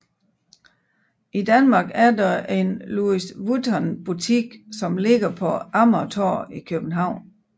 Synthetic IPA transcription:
ʔid̥ænmɑ̈ɡ̥æɐdɑe̝nluisʋudʰɒnb̥ut͡sʰiɡ̥sɒ̽mle̝ɡ̥ɐpʰɒ̽ɑ̈mɐt͡sʰɒ̰ːikʰøb̥n̩ɦɑ̈ʊ̰n

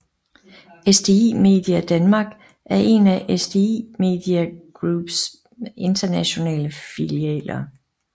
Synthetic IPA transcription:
esd̥e̝ḭme̝̰ːd̥iæd̥ænmɑ̈ːɡ̥ | ʔæɐʔe̝næʔesd̥e̝ime̝̰ːd̥iæɡ̥ʁub̥s | e̝nd̥ɐnæɕo̝nɛ̰ːləfiliɛ̰ːlɐ

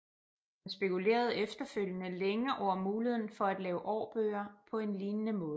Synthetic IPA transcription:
hænsb̥e̝kʰule̝̰ːɐð̞̩ˠefd̥ɐføl̰jənəleŋɐʔɒʊ̰ɐmuːlihe̝ð̰ˠn̩fɒ̽æd̥lɛːʊʔɒːb̥ø̰ːɐpʰɒ̽e̝nliːnənəmɔ̽ːð̩ˠ

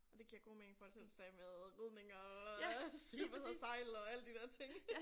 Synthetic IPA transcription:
ɒ̽d̥e̝ɡ̥iɐ̰ɡ̥o̝̰ːmeeŋn̩fɒ̽l̰sel̥sɛːmeðˠʁyðˠne̝ŋɒ | sib̥ɐsɒsɑ̈ɪlɒ̽æləd̥id̥ɛɐ̰t͡sʰe̝ŋ

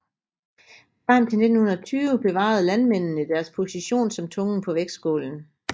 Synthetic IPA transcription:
fɑm̰t͡sʰene̥n̩hunɐɒt͡sʰyːʋəb̥e̝ʋɑ̰̈ð̞̩ˠlænmen̰n̩əid̥æɐspʰo̝siɕo̝̰ːnsɒ̽mt͡sʰɔ̽ŋn̩pʰɒ̽ʋeɡ̥ssɡ̥o̝̰ːln̩

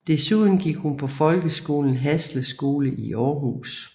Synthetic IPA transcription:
d̥e̝suð̰ˠn̩ɡ̥iɡ̥hunpʰɒ̽fɒ̽lɡ̥əsɡ̥o̝ːln̩ɦæsləsɡ̥o̝ːləʔiʔɒːɦṵːs

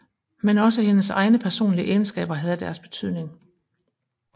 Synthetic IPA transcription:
menɒ̽s̬əhe̝nəsɑ̈ɪnəpʰæɐso̝̰ːnliəʔeːn̩sɡ̥ɛ̰ːb̥ɐɦæð̞̩ˠəd̥æɐsb̥e̝t͡sʰyð̰ˠne̝ŋ

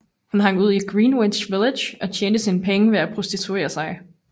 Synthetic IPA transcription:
hunɦɑ̈ŋ̰uð̞̰ˠi̥ɡ̥ʁiːnwe̥ɕʋeledjɒ̽t͡ɕʰjeːnd̥əsinəpʰeŋəʋe̝æpʰʁo̝sd̥it͡sʰue̝̰ːɐsɑ̈ɪ

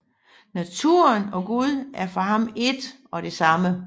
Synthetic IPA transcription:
næt͡sʰuɐnɒ̽ɡ̥uð̞ˠʔæɐfɒ̽hɑ̈me̝d̥ | ɒ̽de̝sɑ̈mə

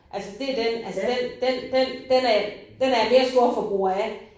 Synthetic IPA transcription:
ʔælsəd̥e̝d̥enælsəd̥end̥end̥end̥enæd̥enæɐme̝ːɐsd̥ɔɐfɒb̥uɐæ

